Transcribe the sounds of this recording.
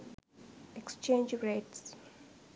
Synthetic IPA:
ɛkst͡ʃẽnd͡ʒɹets

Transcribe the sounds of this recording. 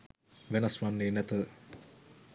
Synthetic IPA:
ʋenɐsʋanːeːnɛt̪ə

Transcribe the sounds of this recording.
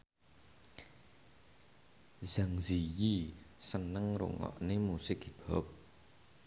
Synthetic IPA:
zaŋzijisənːəŋro̰ŋɔ̰ʔnemusɪkib̥ok̚

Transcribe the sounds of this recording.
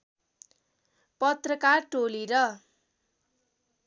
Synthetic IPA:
pʌt̪rʌkarʈoliɾʌ

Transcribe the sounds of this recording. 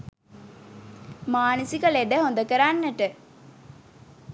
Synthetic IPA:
maːnəsikəled̪əɦond̪əkəɾanːəʈə

